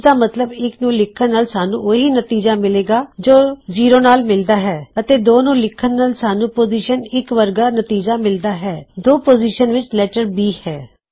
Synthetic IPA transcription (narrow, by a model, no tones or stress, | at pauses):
d̪aːmət̪ləbɪknũːlɪkʰːənːaːlsaːnũːoɦiːnət̪iːd͡ʒaːmɪleːɡaːd͡ʒoːziːɾoːnaːlmɪld̪aːɦɛːət̪eːd̪oːnũːlɪkʰːənːaːlsaːnũːpoːziːʃənɪkʋəɾɡaːnət̪iːd͡ʒaːmɪld̪aːɦɛːd̪oːpoːziːʃənʋɪt͡ʃlɛːʈəɾbiːhɛː